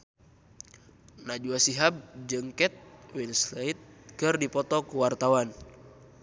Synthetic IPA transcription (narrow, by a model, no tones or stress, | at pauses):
nad͡ʒuasiɦab̚d͡ʒɨŋkɛt̪̚winsleit̪̚kɨrdipɔt̪ɔkuwart̪awan